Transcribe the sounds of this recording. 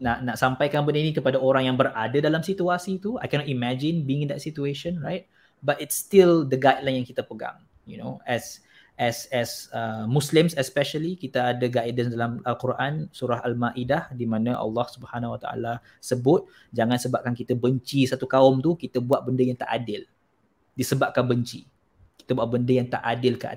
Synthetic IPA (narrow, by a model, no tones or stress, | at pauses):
naʔnaʔsampajkanbəndəinĩkəpadaoɾaŋjaŋbəɾadədalamsit̪uasit̪ua̰jkɛnɔtimɛd͡ʒɪ̃nbiŋĩnd̪ɛt̚sit̪ueʃə̃nɹa̰jt̪̚ | batɪtst̪ild̪əɡajdlanjaŋkit̪əpəɡa̰ŋ | juno̰ɛs | ʔɛsɛsəmuslɪmsɛspɛʃəlikit̪əadəɡajdənsdalamalkuɾʔansuɾaɦalmaʔidahdimãnaʔɑ̰lːɑhsubhanawat̪a̰ʔa̰la | səbʊt̪̚ | d͡ʒaŋãnsəbap̚kankit̪əbəɲt͡ʃisat̪ukaɔmt̪ukit̪əbuaʔ̪̚bəndəjaŋt̪aʔadɪl | disəbap̚kanbəɲt͡ʃḭ | ki̥t̪əbuaʔ̚bəndəjaŋt̪a̰ʔadɪlkəa̰